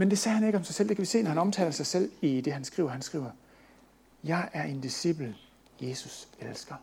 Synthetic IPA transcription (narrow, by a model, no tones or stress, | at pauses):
mend̥e̝sɛːhæne̝ɡ̥əɒ̽msɑ̈ɪsel̰d̥ekʰæʋise̝̰ːnɒhænɒ̽mt͡sʰɛ̰ːlsɑ̈ɪsel̰id̥e̝ɦænsɡ̥ʁḭːʊ̰ɐhænsɡ̥ʁḭːʊɐ | jɑ̈ɪʔæɐʔe̝nd̥isib̥l̩ | je̝ːsuselsɡ̥ɐ